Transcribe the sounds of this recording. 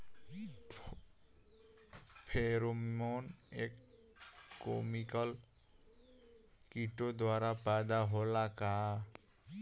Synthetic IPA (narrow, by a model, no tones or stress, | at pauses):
pʰeɾomonekː | omikɔl | kiʈod̪waɾapad̪aɦolaka